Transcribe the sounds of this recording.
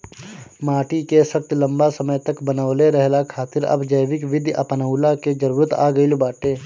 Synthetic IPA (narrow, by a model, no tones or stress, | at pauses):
maːʈikesəkt̪lə̃mbasəməjt̪əkbənəʋleɾəɦlakʰaːt̪ɪɾɐ̰bd͡ʒəjʋɪkʋɪd̪ʱjɐ̰pnəulaked͡ʒəɾuːɾət̪a̰ːɡəɪlbaːʈeː